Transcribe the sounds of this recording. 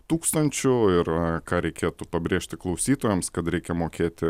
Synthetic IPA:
t̪uːkst̪ɐnʲt͡ʃʲʊɪɾkɑːɾʲɛɪkʲeːt̪ʊpɐbʲɾʲeːʃʲt̪ʲɪklˠɐʊsʲiːt̪oːjɛmskɐt̪ɾʲɛɪkʲɛmoːkʲeːt̪ʲɪ

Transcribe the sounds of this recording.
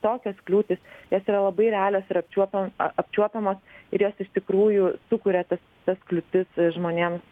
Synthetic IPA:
t̪oːkʲɛsklʲuːt̪ʲɪsjoːsiːɾɐlˠɐbɐɪɾʲɛɑːlʲoːsɪɾɐpʲt͡ʃʲuɔpʲɐpʲt͡ʃʲuɔpʲɛmoːsɪɾjoːsɪʃt̪ʲɪkɾuːjʊsʊkʊɾʲɛt̪ɐs | t̪ɐsklʲʊt̪ʲɪsʒmoːnʲeːms

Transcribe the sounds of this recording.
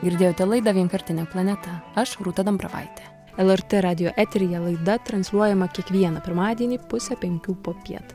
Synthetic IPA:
ɡʲɪɾʲd̪ʲeːjoːt̪ʲɛlˠɐɪd̪ɐʋʲiɛŋkɐɾʲt̪ʲɪnʲɛplˠɐnʲɛt̪ɐɐʃɾuːt̪ɐd̪ɐmpɾɐʋɐ̰ɪt̪ʲɛ | ɛlˠɛɾt̪ʲɛɾɑːd̪ʲɪjoːʔɛt̪ʲɾʲɪjɛlˠɐɪd̪ɐt̪ɾɐnsʲlʲuɔjɛmɐkʲiɛkʋʲiɛnɐpʲɪɾmɑːd̪ʲiɛnʲiːpʊsʲɛpʲɛŋʲkʲuːpoːpʲiɛt̪

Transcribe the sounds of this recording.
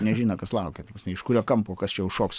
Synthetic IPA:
nʲɛʒʲiːnoːkɐslˠɐʊkʲeːt̪ɐpɐsmʲɛɪʃkʊɾʲoːkɐmpoːkɐst͡ʃʲɛjʊʃoːks

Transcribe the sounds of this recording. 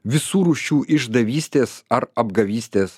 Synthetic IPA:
ʋʲɪsuːɾuːʃʲuːʔɪʒd̪ɐʋʲiːsʲt̪ʲeːsɐɾɐbɡɐʋʲiːsʲt̪ʲeːs

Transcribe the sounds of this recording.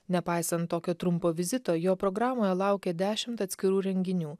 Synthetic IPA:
nʲɛpɑɪsɐnt̪ːoːkʲoːt̪ɾʊmpoːʋʲɪzʲɪt̪oːjoːpɾɔɡɾɑːmoːjɛlˠɑʊkʲɛd̪ʲæːʃʲɪmt̪ɐt̪ʲsʲkʲɪɾuːɾʲɛŋʲɡʲɪnʲuː

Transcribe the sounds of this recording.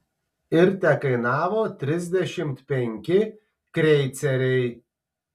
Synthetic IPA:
ɪɾt̪ʲɛkɐɪnɑːʋoːt̪ʲɾʲɪzʲd̪ʲɛʃʲɪmt̪pʲɛŋʲkʲɪ | kɾʲɛɪt̪sʲɛɾʲɛɪ

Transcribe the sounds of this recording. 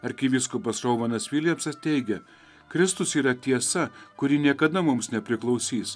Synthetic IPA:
ɐɾʲkʲiʋʲiskʊpɐsɾɐʊʋɐnɐsʋʲiːlʲjɛmsɐst̪ʲɛɪɡʲɛ | kɾʲɪst̪ʊsiːɾɐt̪ʲiɛsɐkʊɾʲiːnʲiɛkɐd̪ɐmʊmsnʲɛpʲɾʲɪklˠɒʊsʲiːs

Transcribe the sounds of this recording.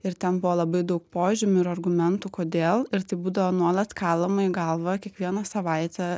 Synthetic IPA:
ɪɾt̪ʲɛnbuʋolˠɐbɐɪd̪ɐʊk̚poːʒʲɪmʲʊɪɾɐrɡʊmʲɛnt̪uːkoːd̪ʲeːlˠɪɾt̪ɐɪbuːd̪ɐʋoːnuɔlˠɐt̪kɑːlˠɐmɐɪɡɐlˠʋɐkʲiɛkʋʲiɛnɐsɐʋɐɪt̪ʲɛ

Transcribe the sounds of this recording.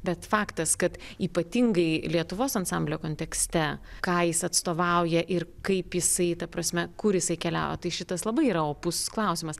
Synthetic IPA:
bʲɛt̪fɑːkt̪ɐskɐt̪iːpɐt̪ʲɪŋɡɐɪlʲiɛt̪ʊʋoːsɐnsɑmʲbʲlʲoːkoːnʲt̪ʲɛksʲt̪ʲɛkɑːjɪsɐt̪st̪oːʋɐʊjɛʔɪrkɐɪpjɪsɐɪt̪ɐpɾɐsʲmʲɛkʊɾjɪsɐɪkʲɛlʲæ̰ʊjɛ̰t̪ɐɪʃʲɪt̪ɐslˠɐbɐɪiːɾɐoːpʊsklˠɐʊsʲɪmɐs

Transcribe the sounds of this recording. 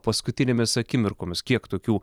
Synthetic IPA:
pɐskʊt̪ʲɪnʲeːmʲɪsɐkʲɪmʲɪɾkoːmʲɪskʲiɛkt̪oːkʲuː

